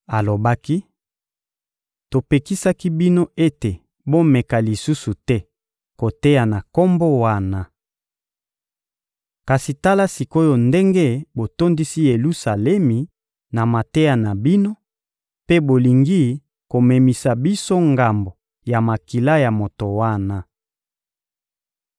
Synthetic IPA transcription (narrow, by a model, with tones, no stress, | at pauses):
a˨lo˨ba˦ki˦ | to˨pe˨ki˦sa˦ki˦bi˦no˦e˦te˨ | bo˦mɛ˨ka˨li˨su˦su˨tɛ˦ | ko˨te˦ja˨na˨ko˦mbo˦wa˦na˨ | ka˨si˨ta˦la˦si˨ko˦jo˨nde˦ŋɡe˦bo˨to˦ndi˦si˦je˨lu˦sa˨lɛ˦mi˨ | na˨ma˨te˦ja˨na˨bi˦no˦ | pe˦bo˨li˨ŋɡi˦ | ko˨mɛ˨mi˨sa˨bi˦so˦ŋɡa˨mbo˨ | ja˨ma˨ki˨la˦ja˨mo˨to˨wa˦na˦